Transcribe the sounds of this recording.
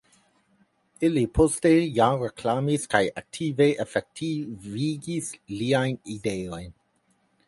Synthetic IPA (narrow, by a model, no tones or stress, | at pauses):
ilipʰostejaɾekʰlamiskajak̚tʰiveʔefek̚tʰiviɡisliajnideojn